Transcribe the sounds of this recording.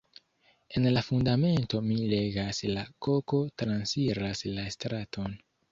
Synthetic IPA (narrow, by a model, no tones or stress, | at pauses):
e̞nlafundame̞nto̞mile̞ɡaslako̞ko̞tɾansiɾaslastɾatʰo̞n